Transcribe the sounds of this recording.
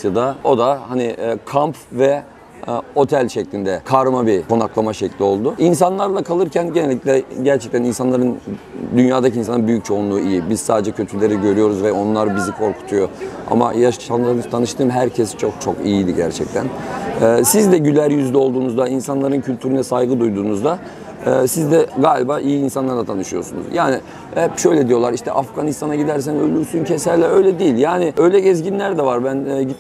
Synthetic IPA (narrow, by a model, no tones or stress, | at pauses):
jad̪ao̞d̪ahaniːkʰampvɛ | o̞t̪ʰælʲʃɛclʲind̪ɛkʰaɾmabikʰo̞naklˠamaʃɛclʲio̞lˠd̪ʊins̬anlˠaɾlˠakʰalˠɯɾcʰænɟe̞nelʲːiclʲɛɟæɾt͡ʃʰɛc̚t̪ʰæninsanlˠaɾɯnd̪ynjaːd̪acʰinsanbyjyc̚t͡ʃʰo̞unlˠuːijibizsaːd̪ed͡ʒɛcʰøt̪ʰylʲe̞ɾiɟø̞ɾyjo̞ɾuzvɛo̞nlˠaɾbizikʰo̞ɾkʰu̥t̪ʰujo̞a̰ma̰jaant̪ʰanɯʃt̪ʰɯːmɦæɾcʰɛst͡ʃʰok̚t͡ʃʰo̞kijilʲiɟæɾt͡ʃʰɛ̰c̚t̪ʰænɛːsizd̪ɛɟylʲæɾjyzd̪ɛo̞lˠd̪uːnuzd̪ainsanlˠaɾɯncʰylʲt̪ʰyɾynɛsajɡɯd̪ujd̪uːnuzd̪aː | sizd̪ɛɡaːlʲibaːʔijiːnsanlˠaɾd̪at̪ʰanɯʃɯjo̞̰ɾsunṵzjaːnɪ | ɛpʃø̞jlʲɛd̪ijo̞lˠaɾiʃt̪ʰɛʔafɡanist̪ʰanaɟid̪æɾs̬ænølʲyɾsyncʰesælʲːɛø̞jlʲɛd̪ijilʲjaːnɪʔø̞jlʲɛɟɛzɟinlʲæɾd̪ɛvaɾbænɛɟi